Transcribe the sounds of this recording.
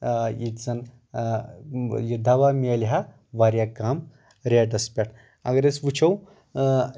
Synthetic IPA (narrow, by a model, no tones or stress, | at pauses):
it̪d͡zɐn | jid̪aʋamelɦa | ʋaɾjakam | ɾeʈɐspʲeʈʰ | a̰ɡɾet͡sʋut͡ʃʰɐw